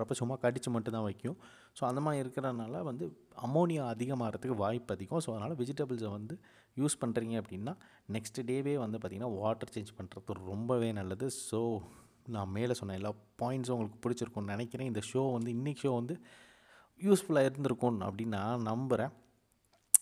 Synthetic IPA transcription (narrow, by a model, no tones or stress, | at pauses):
ɾɐpːɐsʊmːaːkɐɽɪt͡ʃːɯmɐʈːnt̪ãːʋɐɪkːɪjʊ̃ | soːɐnd̪ɐmaːiɪɾɯkːɐɾɐðɯnaːlɐʋɐnd̪ɯ | ɐmːoːnɪjaɐðɪɣɐmaːɪɾɐt̪ːɯkːɯʋaːjɪpːɐðɪkːʊ̃soːɐðɐnaːlɐʋɪd͡ʒɪʈɐbɐlsɛʋɐnd̪ɯ | juːspɐɳɾiːŋɡɐɐpːɐɽɪnːaː | nɛksʈɖeːʋeːʋɐnd̪ɯp̬aːɾt̪ĩŋɡɐnːaːʋaːʈːɐɾt͡ʃeːɲd͡ʒpɐɳɾɐt̪ːɯɾɔmbɐʋeːnɐlːɐðɯsoː | nãːmeːlɐsɔnːẽːɛlːaːpaːjɪɳʈsʊŋɡɐɭɯkːɯ̥pʊɽɪt͡ʃːɪɾɯkːʊ̃nɪnɛkːɪɾẽːɪnd̪ɐʂoːʋɐnd̪ɯɪnːɪkːʂoːʋɐnd̪ɯ | juːsfʊlaːɪɾɯnd̪ɪɾɯkːʊ̃ɐ̰pːɐɽɪnːãːnɐmbɐɾẽː